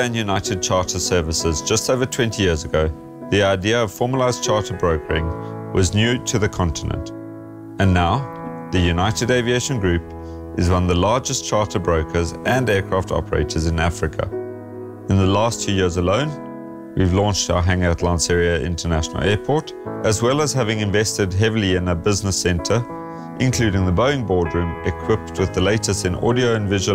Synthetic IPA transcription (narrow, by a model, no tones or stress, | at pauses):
æ̃njʉnaɪtɨd̚t͡ʃʰɑɹtʰəsɜːvəsɪzd͡ʒʌstoʊvətʰw̥ɛ̃ntʰijɪəzəɡoʊ | ðiaɪdiəʌv̥fɔːməlaɪzt͡ʃʰɑɹtəbɹoʊkʰəɹɪ̃ŋwʔɒznjʉtʰɨðəkʰɒ̃ntʰɪnə̰̃nt | ə̃nːaʊ | ðəjʉnaɪtɨdeɪvieɪʃə̃nɡɹʉp | ʔɨzwʌ̃nðəlɑːd͡ʒəst͡ʃʰɑɹtəbɹoʊkʰəzʔə̃ndɛːkʰɹ̥ɑftʰɔ̰pəɹḛɪtʰəzɪ̃næfɹɪkʰə̰ | ɨ̃nðəlɑˑstfʰjʉːjɪəɹzəlõʊ̃n | wivlɔ̃nt͡ʃtaʊəɦæ̃ŋətʰlãɪ̃nsɛɹiəʔɪ̰̃ntʰənæʃənə̰l̩ˠɛːpʰɔɹt | ʔəzwɛlˠəz̥ɦævɪ̃ŋɪ̃ɱvɛstɨd̚ɦɛvliɪ̃nəbɪznəsɛ̃ntʰə˞ | ʔɪ̃nkʰl̥ʉːɾɪ̃ŋðəbəʊɪ̃ŋbɔːdɹʉ̃ːmʔɪkʰw̥ɪp̚tʰwɨðəleɪtəstɨ̃nɔ̰ɾioʊə̃nvɪʒə